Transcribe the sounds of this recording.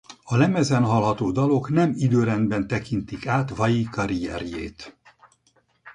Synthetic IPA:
ɒlɛmɛzɛnɦɒlɦɒt̪oːd̪ɒlo̞knɛmid̪øːɾɛnd̪bɛnt̪ɛkint̪ikaːt̪vɒjikɒɾijɛɾjḛːt̪

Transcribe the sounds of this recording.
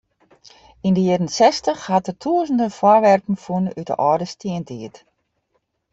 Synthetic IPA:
indəjɪdənsɛstəxhatətʰuəzn̩dəfwɔrʋɛrpn̩funytdə̰ʔɔːdəstʰiəntʰiət

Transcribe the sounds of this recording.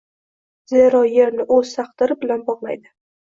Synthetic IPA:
zeɾɒjeɾnɪʔɵz̥sʰɑqd̪ɪɾɪbɪlanbɒʁlˠa̰jd̪ɪ

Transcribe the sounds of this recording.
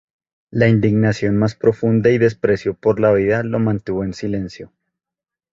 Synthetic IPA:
laind̪iɡnasjo̞nmaspɾo̞fund̪aiðe̞spɾesjopo̞ɾlaβiðalo̞mãnt̪uβoensile̞nsjo

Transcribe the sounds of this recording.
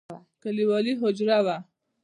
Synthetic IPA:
kaliwɔliɦʊd͡ʒɾawa

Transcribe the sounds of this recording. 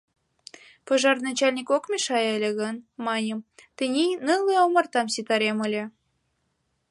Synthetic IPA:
pɤʒɑrnɑt͡ɕɑlʲnʲikokmʲeʃɑjəlʲĕɣɤ̆nmɑnʲəmt̪ə̆nʲinɨlɤomɑrt̪ɑmsit̪ɑɾemə̆lʲĕ

